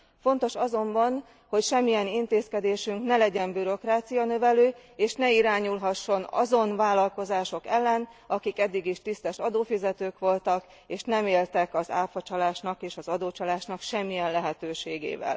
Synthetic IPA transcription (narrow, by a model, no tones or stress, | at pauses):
fo̞nt̪o̞ʃɒzo̞mbɒn | ho̞cʃɛmːijɛnint̪eːskɛd̪eːʃyŋknɛlɛɟɛmbyɾo̞kraːt̪sijɒnøvɛløːeːʃnɛiɾaːɲulɦɒʃːo̞nɒ̰zo̞nvaːlːɒlko̞zaːʃo̞kɛlːɛnɒkikɛd̪ːiɡiʃt̪ist̪ɛʃɒd̪oːfizɛt̪øːkʋo̞lt̪ɒk | eːʃnɛmeːlt̪ɛkɒza̰ːfɒt͡ʃɒlaːʃnɒkeːʃɒzɒd̪oːt͡ʃɒlaːʃnɒkʃɛmːijɛnlɛɦɛt̪øːʃeːɡḛːvɛ̰l